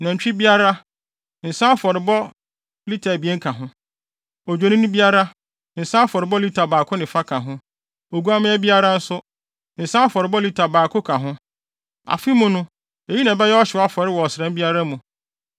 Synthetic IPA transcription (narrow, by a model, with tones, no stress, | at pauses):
nã˨ɲ̩˨t͡ɕᶣi˦bi˦a˦ɾa˦ | n̩˨sã˦fɔ˨ɾɪ˨bɔ˦ | li˦tʰa˨bi˨˦ɛ˦ŋ˦kʰã˨ɦʊ̃˦ | o˨d͡ʑᶣo˨nĩ˦nʊ̃˦bi˦a˦ɾa˦ | n̩˨sã˦a˦fɔ˨ɾɪ˨bɔ˦li˦tʰa˨baː˨kʰʊ˦nɪ̃˨fa˦kʰã˨ɦʊ̃˦ | o˨ɡu˦a˦mɪ̃˦ɛ˦bi˦a˦ɾa˦n̩˦sʊ˦ | n̩˨sã˦a˦fɔ˨ɾɪ˨bɔ˦li˦tʰa˨baː˨kʰʊ˦kʰã˨ɦʊ̃˦ | a̰˨fi˦mʊ̃˦nʊ̃˦ | e˨ji˦nã˨bɛ˦jɛ˦ɔ˦ɕɪ˨˦a˦fɔ˨ɾɪ˦wɔ˨ɔ˨sɪ˨ɾɛ̃˦m˦bi˦a˦ɾa˦mũ˨